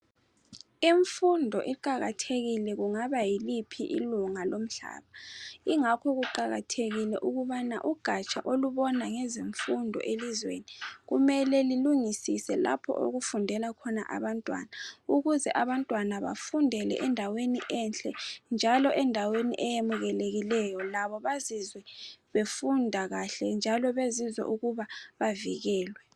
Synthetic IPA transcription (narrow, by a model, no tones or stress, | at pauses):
iɱfundʱɔʔiǃaɣa̰tʰeɣilɛɣuŋaβajilipʰiʔḭluŋalom̩ɬa̰ːβaiŋakʰɔɣuǃaɣa̰tʰeɣilɛʔuɣuβana̰ʔuɡ̥ʱat͡ʃʼaʔoluβɔnaŋɛzeɱfundʱɔ̰ʔelizwḛniɣumɛlɛliluŋisisɛla̰pʰɔ̰ʔo̰ɣufundʱɛlakʰɔna̰ʔa̰βantʼwa̰ːnauɣuzɛʔaβantʼwanaβa̰fundʱɛlɛ̰ʔɛndʱaweniʔɛnt͡ɬʼɛnd͡ʒʱalɔʔɛndʱawenḭʔɛjemuɣɛleɣilɛjɔlaβɔβazizwɛβefundʱaɣaɬɛnd͡ʒʱalɔβezizwɛ̰ʔuɣuβaβaviɣɛːlwɛ